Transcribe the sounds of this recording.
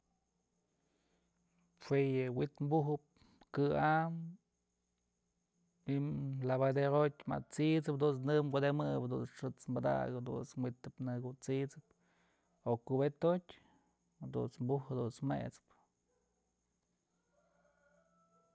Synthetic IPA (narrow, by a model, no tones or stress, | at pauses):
fʷejɨwit̪mbuɦɨp̚ | kɨam | imlaβad̪eɾot̪ʲma̰t͡sit͡sɨp̚d̪unt͡snɨkʷad̪emɨbd̪ṵt͡sʂɨt͡smbad̪a̰ɡɨp̚d̪ṵt͡smwit̪ɨpnɨɡut͡sit͡sɨp̚ | okubet̪otʲ | d̪ṵnt͡smbuhd̪unt͡smḛt͡sɨ̥p